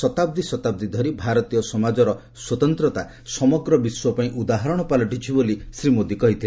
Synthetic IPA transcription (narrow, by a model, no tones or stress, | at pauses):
sɔt̪ab̚d̪isɔt̪ab̚d̪id̪ʱɔɾibʱaɾɔt̪ijɔsɔmad͡ʒɔɾɔ | swɔt̪ɔnt̪ɾɔt̪a | sɔmɔɡɾɔbiswɔpaĩʔud̪aɦɔɾɔɽ̃ɔpalɔʈit͡ʃʰibolisɾimod̪ikɔɦit̪ʰil